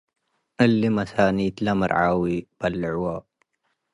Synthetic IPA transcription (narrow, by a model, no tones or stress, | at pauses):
ʔəlːimɐsaːniːt̪lamə̰ɾʕaːwib̥alːəʕwa